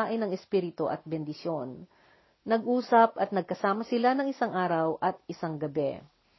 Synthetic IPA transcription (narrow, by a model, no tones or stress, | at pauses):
aʔɪnɐŋɛspiːɾɪt̪oʔɐ̰t̪̚bɛnd̪ɪsjonː | ɐɡʔuːsɐp̚ɐt̪nɐɡ̚kɐsaːmɐsɪlanɐŋɪsaŋʔaːɾɐwʔɐt̪̚ʔɪsaŋɡɐbɛ̰